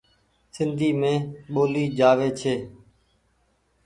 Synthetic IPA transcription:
sɪnd̪ʱiːmẽːɓoːliːd͡ʒaːʋeːt͡ʃʰeː

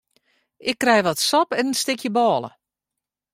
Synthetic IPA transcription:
ʔɪkːrɛjʋɔtsɔpɛnənstɪkjəbɔːlˠə̰

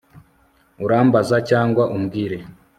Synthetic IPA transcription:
uɾaːmbazacaːŋɡwaʔumɡiːɾe

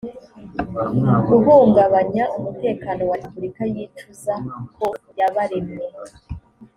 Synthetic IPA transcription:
ɡuɦuːŋɡaβaɲaʔumute̞ːkano̞waipuɾikajiːt͡ʃuzakʰo̞jaβaɾemŋe

